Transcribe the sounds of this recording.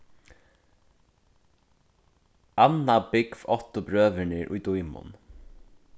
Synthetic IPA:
anːabɪkvɔt̪ʊbɾøːʋɪɳɪɾʔʊ̰jd̪ujmʊ̰n

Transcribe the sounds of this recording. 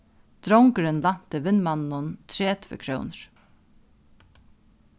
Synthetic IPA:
t̪ɾɔwŋkəɾɪnlam̥t̪ɪʋɪnmannʊnt̪ʰɾeːt̪ʰvɪ̰kʰɾœ̰ːwnɹ̥

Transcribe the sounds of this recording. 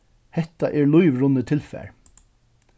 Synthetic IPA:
hɛt̪aʔɛɹlʊjʋɹʊnːət̪ʰɪlfæ̰ːɹ

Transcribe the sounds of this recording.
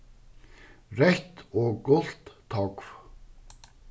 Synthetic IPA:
rɛht̪ɔkʊl̥t̪t̪ʰːɔkv

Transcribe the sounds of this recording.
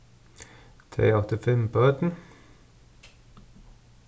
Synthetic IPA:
t̪ʰɾḛːɔt̪ɪfɛmpʰoːœt̪n̩

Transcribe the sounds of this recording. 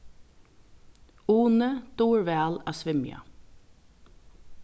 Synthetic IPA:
uːnəd̪̥uːɹʋɛːlaːsʋɪmja̰

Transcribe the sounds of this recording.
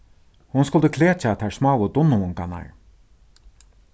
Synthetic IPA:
hʊnskʊlt̪ʊkʰleːt͡ʃat̪ʰaɹsmɑːwəd̪ʊnːʊʊŋkana̰ɹ

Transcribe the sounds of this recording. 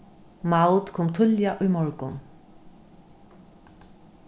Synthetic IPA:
mawt̪kʰɔːmt̪ʰʏljaʔʊjmɔɹkʊn

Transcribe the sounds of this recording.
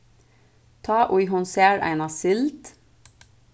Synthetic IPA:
t̪ʰɑːʔʊjɦʊnseːɾʔæ̰ɪnɑsɪlt̪

